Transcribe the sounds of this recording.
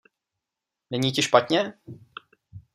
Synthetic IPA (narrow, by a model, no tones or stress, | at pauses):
nɛɲiːcɪʃpat̪ɲɛ